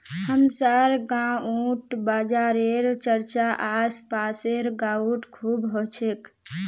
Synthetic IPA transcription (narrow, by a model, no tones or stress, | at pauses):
həmsaɾɡãũʈbad͡ʒaːɾeɾt͡ʃəɾt͡ʃaʔaspaːseɾɡauʈkʰuːbɦot͡ʃʰek